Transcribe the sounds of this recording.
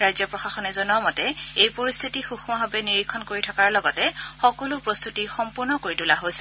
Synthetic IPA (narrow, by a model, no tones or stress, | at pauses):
ɹajzɔpɹɔxaxɔnɛzɔnuamɔtɛejpoɹist̪ʰitixuxumaɦɔbɛniɹikʰːɔnkoɹitʰɔkaɹlɔɡɔtɛxɔkɔlʊpɹost̪ʰutixɔmpuɹnɔkoɹitulaɦojsɛ